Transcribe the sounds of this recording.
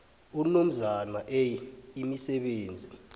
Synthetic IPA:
um̩num̩zanaʔɛimisɛɓeːnd͡zʱi

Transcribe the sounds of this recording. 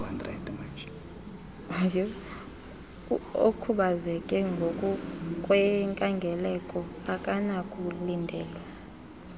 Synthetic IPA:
andra̰dʼmat͡ʃ | j | okʰuɓazɛkʼɛŋɡʱokʼukʼwɛŋkʼaŋɡʱɛlɛkʼɔ | akʼanakʼulindʱɛːlwa

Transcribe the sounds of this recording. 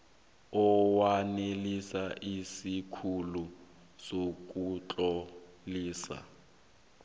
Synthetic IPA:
ɔwanelisaʔisikʰulu | sok̬ʼut͡ɬʼɔ | liːsa̰

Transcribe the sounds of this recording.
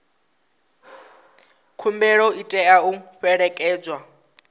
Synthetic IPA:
kʰumbɛɺɔitʼɛauɸɛɺɛkʼɛːd͡zwa

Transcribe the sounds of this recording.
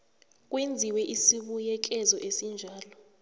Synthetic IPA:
k̬ʼwend͡zʱiwɛʔisiɓujɛk̬ɛzɔʔesind͡ʒʱaːlɔ

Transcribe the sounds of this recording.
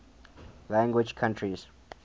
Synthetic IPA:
lãŋɡwid͡ʒkʰãntʰɹis

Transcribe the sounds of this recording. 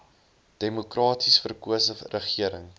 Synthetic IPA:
d̥emukrɑːtʰisfərkuəsərəχiəɾəŋ

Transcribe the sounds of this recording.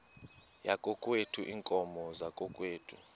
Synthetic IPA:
jakʼɔkʼwetʰuʔiːŋkʼɔmɔzakʼɔkʼweːtʰʼṵ

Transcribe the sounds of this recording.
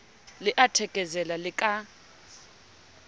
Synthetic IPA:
lɪʔatʰɛkʼɛzɛlalɪkʼa

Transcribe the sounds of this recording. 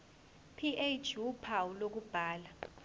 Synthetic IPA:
pʰiʔet͡ʃʰʼupʰawulok̬ub̥ʱaːla

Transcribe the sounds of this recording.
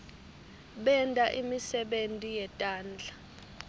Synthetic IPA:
ɓɛndʼaʔimisɛɓentʼijɛtʼaːnd͡ɮʱa

